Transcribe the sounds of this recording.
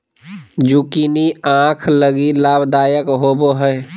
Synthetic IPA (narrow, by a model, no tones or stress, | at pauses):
d͡ʒukiniãːkʰləɡilaːbd̪aːjəkɦoːboɦəj